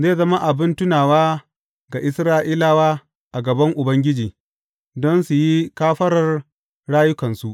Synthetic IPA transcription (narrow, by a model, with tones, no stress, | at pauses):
zeː˦˨zɐ˦ma˦ʔa˨bɪ˦ntʊ˦naː˨waː˦ | ɡa˨ʔɪ˦sɾaː˦ʔiː˦laː˦waː˦ | ʔa˨ɡɐ˨bɐ˦ŋʔʊ˨bɐ˦ŋɡʲɪ˦d͡ʒiː˨ | dɔ˦nsu˨ji˦kaː˦ɸɐ˦ɾɐ˨r | ɽaː˦jʊ˦kɐ˨nsu˦˨ʔ